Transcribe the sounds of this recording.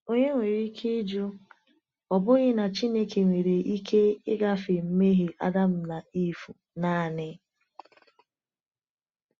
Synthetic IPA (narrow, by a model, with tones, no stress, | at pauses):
o˦ɲe˦ŋʷe˨ɾi˦kʰe˦d͡ʒu˦ | ɔ˨bʊ˦ɣɪ˦na˨t͡ʃi˦ne˦ke˨ŋʷe˨ɾe˨ʔi˦kʰe˦ɪ˦ɡa˦fɪ˨m̩˦me˦ɦe˨ʔa̰˦da˦m̩˦na˨i˦fu˨ | na˦˨nɪ˦